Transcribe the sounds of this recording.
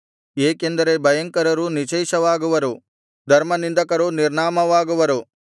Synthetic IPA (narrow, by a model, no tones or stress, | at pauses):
eːkend̪ɐɾe̞bʱɐjɐŋkɐɾɐɾunit͡ʃɐjʃɐʋaːɡuʋɐɾu | d̪ʱɐɾmɐnind̪ɐkɐɾuniɾɳaːmɐʋaːɡuʋɐɾu